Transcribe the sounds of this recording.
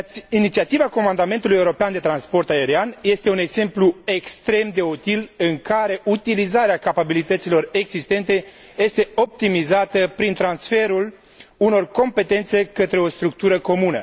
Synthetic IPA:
init̪siat̪ivako̞mand̪ame̞nt̪ulujeuɾo̞peand̪e̞t̪ɾanspo̞rt̪ae̞ɾianje̞st̪e̞une̞ɡz̥e̞mplue̞kst̪ɾe̞md̪e̞ut̪ilɨŋkaɾe̞ʔut̪ilizaɾeakapabilit̪ət̪silo̞re̞ɡz̥ist̪e̞nt̪e̞ | je̞st̪e̞o̞p̚t̪imizat̪əpɾint̪ɾansfe̞ɾul | uno̞rko̞mpe̞t̪e̞nt̪se̞kət̪ɾe̞o̞st̪ɾuk̚t̪uɾəko̞munə̰

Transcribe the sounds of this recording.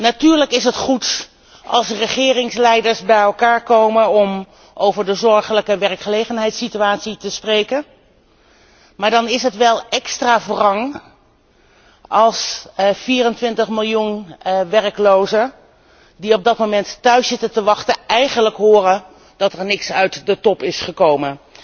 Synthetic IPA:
natyːɹləkɪsɦətχut | ʔɑ̰lˠsrəχɪːrɪŋslɛjdəɹsbɛjɛlˠkaːɹkowmənɔm | ʔowvəɹdəzɔɹχələkəʋɛɹkχəlejχənɦɛjtsityaːtsitəsprejkən | maːɹdɑnɪsɦətʋɛlˠɛkstraːvrɑŋ | ʔɑlˠsfiːrəntʋɪntəχmɪlˠjunʋɛrklowzə | diɔb̚dɑtmomɛnttœɥsɪtəntəʋɑχtəɛjχənləkɦʊːrən | d̥ɑtɛɹnɪksœɥtdətɔpɪsχəkowmən

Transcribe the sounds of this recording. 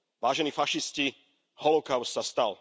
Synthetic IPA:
ʋaːʒɛniːfaʃisci | hɔlɔkaʊst̪sast̪al

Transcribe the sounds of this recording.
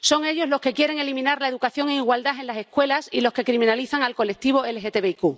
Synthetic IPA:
so̞ŋe̞ʎo̞zlo̞ke̞kje̞ɾe̞ŋe̞limĩnaɾlaeðukaθjo̞ŋeiɣwald̪ae̞nlase̞hkwe̞lasilo̞ske̞kɾimĩnaliθaŋalko̞lek̚t̪iβ̞o̞e̞lexet̪eβeiku

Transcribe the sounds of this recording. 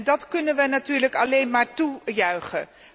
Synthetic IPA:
ndɑtkɵnənʋənatyːɹləkɑlejnmaːɹtujœɥχən

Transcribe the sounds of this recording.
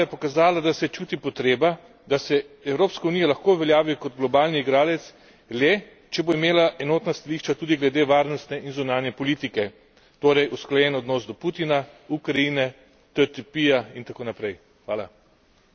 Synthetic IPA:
jɛpɔkazaːlad̪asɛt͡ʃuːt̪ipɔt̪ɾeːba | d̪asɛɛwɾoːpskaunijalaxkoʋɛljaːʋikɔd̪ɡlɔbaːlniːɡɾaːlɛt̪s | lɛ | t͡ʃɛboimeːlaʔɛnoːt̪nast̪aliːʃt͡ʃat̪uːd̪iɡlɛd̪eːʋaːɾnɔst̪nɛʔinzunaːnjɛpɔliːt̪ikɛ | t̪oːɾɛjusklajɛnɔd̪nɔːsd̪ɔpuːt̪inaukɾaiːnɛ | t̪ɛt̪ipiːjaint̪akoːnapɾɛj | xʋaːla̰

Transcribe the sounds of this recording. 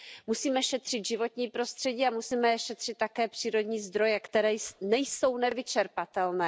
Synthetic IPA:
musiːmɛʃɛt̪r̥ɪt̪ʒɪvo̞t̪ɲiːpɾo̞st̪r̥ɛɟiːamusiːmɛʃɛt̪r̝̥ɪt̪̚ːakɛːpr̥iːɾo̞d̪ɲiːzd̪ɾo̞jɛkt̪ɛɾɛːjsnɛjso̞wnɛvɪt͡ʃɛɾpat̪ɛlnɛː

